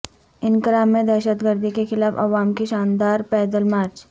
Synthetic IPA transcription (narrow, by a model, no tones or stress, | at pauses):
ɪnkɾaːmːẽd̪ɛːʃət̪ɡəɾd̪ʱikexɪlaːfɐ̰ʋaːmkeʃaːnd̪aːɾpɛːd̪əlmaːɾt͡ʃ